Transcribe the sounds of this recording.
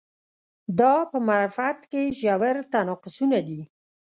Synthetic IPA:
d̪ɑpəmaɾfat̪keʒawaɾt̪anɑqʊsunad̪i

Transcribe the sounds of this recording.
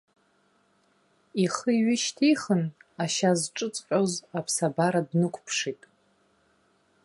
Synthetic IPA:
iχəiɥɪʃtʰijχənaʃazʈ͡ʂʼɨt͡sʼqʲʷʼozapʰsabaɾadnɨkʷʰʼpʰʂitʼ

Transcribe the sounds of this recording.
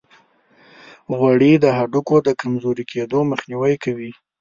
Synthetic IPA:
ɣwaɽid̪əɦaɖukod̪əkamzoɾikʰed̪oməxniwajkawi

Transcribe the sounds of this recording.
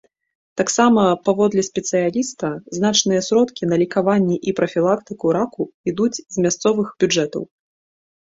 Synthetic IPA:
t̪aksamɐpavɔd̪lʲɛsʲpʲɛt̪sɨjalʲist̪ɐznat͡ʂnɨjɐsɾɔt̪kʲinɐlʲikavanʲːɛʔipɾɐfʲilˠakt̪ɨkuɾakuid̪ud͡zʲzmʲast̪sɔvɨxbʲud͡ʐɛt̪ɐ̰w

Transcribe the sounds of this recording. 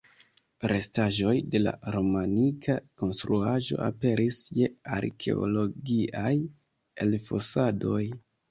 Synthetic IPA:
ɾe̞staʒo̞jde̞la̰ɾo̞manikʰako̞nstɾuaʒo̞̰ʔape̞ɾʔisje̞a̰ɾkʰe̞̰o̰lo̞ɡiaj | e̞lfo̞̰sado̞j

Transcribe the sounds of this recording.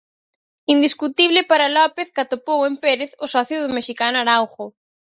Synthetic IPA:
ind̪iskut̪iβlɪpaɾalɔpeθkat̪opowempeɾeθʊsɔθjʊðʊmeʃikanʊaɾawxʊ

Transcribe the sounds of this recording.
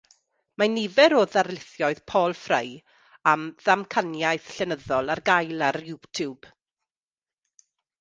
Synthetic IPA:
manɪvɛɾoːðarlɪθjɔɨð̥pʰoːlˠfrej | amðamkʰanjajθɬɛnəðɔlˠarɡajlˠaɾjuːtʰjub̥

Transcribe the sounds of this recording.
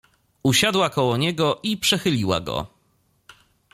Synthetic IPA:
uɕad̪wakɔwɔɲɛɡɔʔipʂɛxɘlʲiwa̰ɡɔ̰

